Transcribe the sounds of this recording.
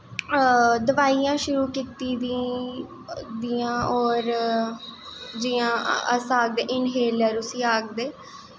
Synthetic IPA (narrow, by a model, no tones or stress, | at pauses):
d̪əʋaːiːjãːʃʊɾuːkiːt̪iːd̪i | d̪iːãːɔːɾ | d͡ʒijãːəsaːɡ̚d̪eːʔɪnɦeːləɾʊsĩːaːɡ̚d̪eː